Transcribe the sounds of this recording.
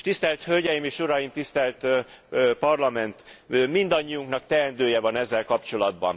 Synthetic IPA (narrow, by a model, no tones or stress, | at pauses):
ʃt̪ist̪ɛlt̪hø̞lɟɛjimeːʃuɾɒjimt̪ist̪ɛlt̪ | pɒrlɒmɛnt̪mind̪ɒɲːiuŋknɒkt̪ɛɛnd̪øːjɛvɒnɛzːɛlkɒpt͡ʃo̞lɒd̪̚bɒ̰n